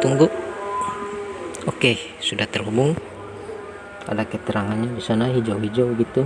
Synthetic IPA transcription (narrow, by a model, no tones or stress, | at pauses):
t̪uŋɡʊʔ | oke | sudaht̪ərhubʊŋ | ka̰lakət̪əɾaŋanɲadisanaɦid͡ʒawɦid͡ʒawɡit̪u